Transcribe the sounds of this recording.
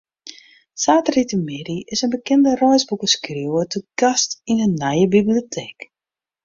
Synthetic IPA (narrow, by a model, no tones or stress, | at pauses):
saːtəritəmɪɾiɪsənbəkɛndərɔjzbukəskriwətəɡastinənːajəbibliotʰeːk